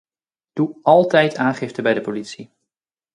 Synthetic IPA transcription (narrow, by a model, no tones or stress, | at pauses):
d̥uʔɑlˠtɛjtʰaːnχɪftəbɛjdəpolitsi